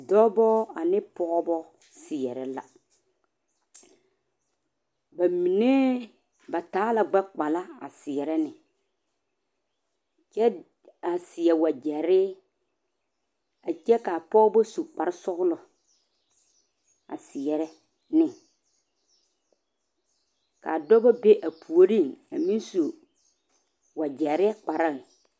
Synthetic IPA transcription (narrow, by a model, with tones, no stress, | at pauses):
dɔ˦bɔ˦a˨nɪ˦pɔ˦bɔ˦ | sɪ˨ɛ˨ɾɛ˨la̰˨ | ba˨mi˨ne˦ | ba˨taː˨˦la˨ɡ͡ba˦k͡pa˨la˦a̰˨sɪ˨ɛ˨ɾɛ˦nɪ˨ | t͡ʃɛ˦ | a˨sɪ˨ɛ˨wa˨d͡ʒɛ˨ɾɪ˦ | a˨d͡ʒɛ˦ka˨pɔː˦bo˦su˨k͡pa˨ɾɪ˦sʊ˦ɣʊ˦lʊ˨ | a̰˨sɪ˨ɛ˨ɾɛ˦ | nɪ˦˨ | ka̰˨a˨dɔ˦ba˦be˦ʔa˨pʰu˨o˨ɾĩ˦˨ŋa̰˨mĩ˦n˦so˨ | wa˨d͡ʒɛ˨ɾɪ˦ɛ˦k͡pa˨ɾa˦ɣɪ˨